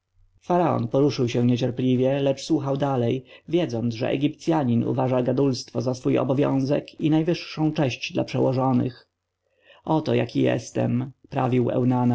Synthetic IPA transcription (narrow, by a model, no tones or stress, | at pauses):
faɾaɔ̰npɔɾuʂɘwɕɛ̃ɲɛt͡ɕɛɾplʲivʲjɛlɛt͡ʂswuxawd̪alɛjvʲjɛd̪zɔnd̪zʐɛ̰ʔɛ̰ɡʲip̚t̪sʲjaɲinṵvaʐaɡad̪ulst̪fɔzasfujɔ̰bɔvʲjɔ̰̃w̃zɛ̰kinajvɘʂːɔ̃w̃t͡ʂɛɕt͡ɕd̪la̰pʂɛwɔʐɔnɘ̰x | ʔɔt̪ɔja̰kʲijɛ̰st̪ɛ̰mpɾa̰vʲiwɛ̰wnana